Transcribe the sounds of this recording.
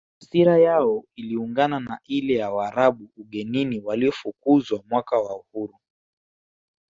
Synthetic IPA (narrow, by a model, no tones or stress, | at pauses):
siɾajaɔiliuŋɡananailɛjawaaːɾaɓuːɠɛniniwaliɔfukuzwamwakawauhuɾu